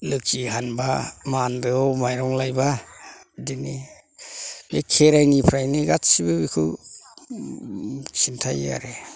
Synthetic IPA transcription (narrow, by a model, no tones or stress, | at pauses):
lɯk̚t͡ʃiɦanbamandɯwmajɾɔŋlajba | dini | bekʰeɾajnipʰɾajniɡatsibɯbikʰɯ | sintʰaja̰ɾe